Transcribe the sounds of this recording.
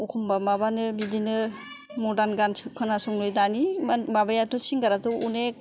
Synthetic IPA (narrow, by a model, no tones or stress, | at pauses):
ukʰumbamabanɯbidinɯ | mɔdanɡanskʰɯnasuŋlojdaniababajatusiŋɡaɾatuunek